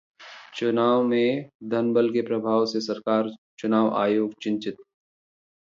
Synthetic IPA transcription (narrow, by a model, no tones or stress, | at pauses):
t͡ʃʊnaːʋmẽd̪ʱənbəlkepɾɐbʱaːʋsesɐɾkaːɾt͡ʃʊnaːʋa̰ːjoːɡt͡ʃɪ̃nt͡ʃɪt̪̚